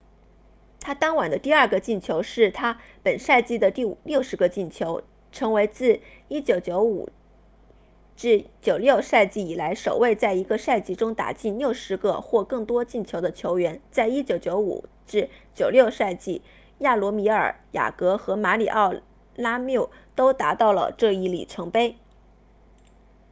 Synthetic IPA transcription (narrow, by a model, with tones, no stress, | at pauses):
t̪ʰa˥t̪ɑ˥ŋwa˨˩nd̪ə˦t̪i˥˧ɐ˥˩ɡə˩t͡ɕi˥˩nt͡ɕʰjo˧˥ʊʂɻ̩˥˩t̪ʰa˥pə˨˩nʂa˥˧ɪt͡ɕi˥˩d̪ə˩t̪i˥˩ljo˥˩ʊʂɻ̩˧˥ɡə˧t͡ɕi˥˩nt͡ɕʰjo˧˥ʊ | ʈ͡ʂʰɤ˧˥ŋwe˧˥ɪt͡sɹ̩˥˩ | i˥t͡ɕjo˨˩ʊt͡ɕjo˧˥ʊṵ˨˩ | ʈ͡ʂɻ̩˥˩t͡ɕjo˨˩ʊljo˥˧ʊʂa˥˧ɪt͡ɕi˥˩i˨˩la˧˥ɪʂo˨˩ʊwe˥˧ɪt͡sa˥˩ɪi˧˥ɡə˧ʂa˥˧ɪt͡ɕi˥ʈ͡ʂʊ˥ŋt̪a̰˨˩t͡ɕi˥˧nljo˥˩ʊʂɻ̩˧˥ɡə˧xwɔ˥˧kɤ˥˩ŋt̪wɔ˥t͡ɕi˥˩nt͡ɕʰjo˧˥ʊd̪ə˧t͡ɕʰjo˧˥ʊɥɛ˧˥nt͡sa˥˩ɪi˥t͡ɕjo˧˥ʊt͡ɕjo˧˥ʊṵ˨˩ | ʈ͡ʂɻ̩˥˩t͡ɕjo˨˩ʊljo˥˧ʊʂa˥˧ɪt͡ɕi˥˩ | ja˥˩lwɔ˧˥mi˧˥ə˞˨˩ja̰˨˩kɤ˧˥xɤ˧˥ma˧˥lḭ˨˩ʔɑ˥˩ʊ | la˥mjo˥˩ʊ | t̪o˥ʊt̪a˧˥t̪ɑ˥˩ʊlə̰˩ʈ͡ʂɤ˥˧i˥˩lḭ˨˩ʈ͡ʂʰɤ˧˥ŋpe˥ɪ